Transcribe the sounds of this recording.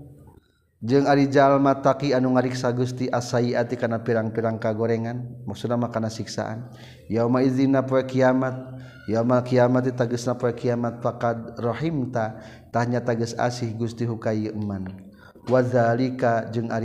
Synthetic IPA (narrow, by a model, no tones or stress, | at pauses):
d͡ʒɨŋaɾid͡ʒalmat̪akianuŋaɾiksaɡust̪iʔasaiat̪ikanapiɾaŋpiɾaŋkaɡɔɾɛŋanmak̚sunamakanasiksa̰ʔa̰n | jaumaiðinapɔɛkiamat̪̚ | jaumakiamat̪̬it̪aɡəsnapɔɛkiamat̪̚fakad̪rɔɦimt̪a | t̪ahɲat̪aɡəsa̰sihɡust̪iɦukajʔəman | waðalikad͡ʒɨŋaɾ